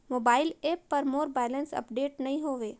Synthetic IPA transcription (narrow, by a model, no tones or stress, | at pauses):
moːbaːɪleːpːɐɾmoːɾbɛːlə̃nsɐ̰pɖeːʈnɐɦĩɦoːʋeː